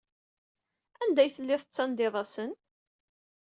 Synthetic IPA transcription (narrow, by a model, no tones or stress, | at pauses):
ænd̪æjθəlːɪθət͡sːɑnd̪ɪðˤɑsən